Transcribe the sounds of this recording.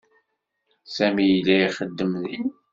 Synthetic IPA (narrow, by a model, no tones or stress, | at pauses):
sæmijlːæiχəd̪ːəmni